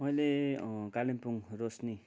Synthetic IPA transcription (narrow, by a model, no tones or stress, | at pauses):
mʌjlekalinpuŋɾosni